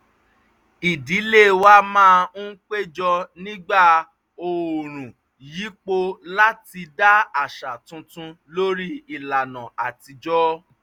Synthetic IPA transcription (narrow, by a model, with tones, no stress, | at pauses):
i˨di˨˦le˦˨wa˦mãː˦˧ñ̩˦k͡pe˦d͡ʒɔ˧nĩ˦ɡ͡ba˦˨ | o˧˨ɾ̃ũ˨ | ji˨˦k͡po˧la˦ti˧da˦a˦˨ʃa˨tũ˧tũ˧lo˦ɾi˦i˨la˨nã˨a˨ti˧d͡ʒɔ˦